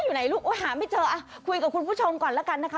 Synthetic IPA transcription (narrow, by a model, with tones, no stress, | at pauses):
jzu˨˩na˨˩jlʊ˦˥k͡p̚ʔo˧˦haː˨˩məː˨˦jt͡ɕəː˨˩ʔaː˧˩xwi˧kːxu˧nfu˦˥t͡ɕʰə˧wŋ͡mkɔː˨˩nlaː˨˥ka˧˩nːa˧˨˩a˧˦